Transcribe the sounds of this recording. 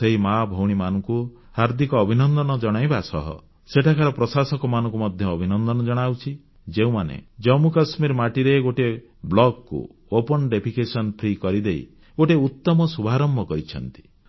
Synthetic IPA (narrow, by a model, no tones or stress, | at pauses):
eɦimabʱɔwɽ̃imanɔŋku | haɾd̪ʱikɔːbʱinɔnd̪ɔnɔd͡ʒɔɽ̃ajbasɔ̰ɦɔ̰ | seʈʰakʰaɾɔpɾɔsasɔkɔmanɔ̃ŋk̬umɔd̪ʱjɔːbʱinɔnd̪ɔnɔd͡ʒɔɽ̃awt͡ʃʰi | d͡ʒeũmanḛd͡ʒɔmukasmiɾmaʈiɾeɡoʈe | blɔɡkṵ | opɔnɖepʰikesɔnpʰɾikɔɾid̪ej | ɡoʈeut̪ːɔmɔsubʱaɾɔmbʱɔkɔɾit͡ʃʰɔ̰nt̪i̥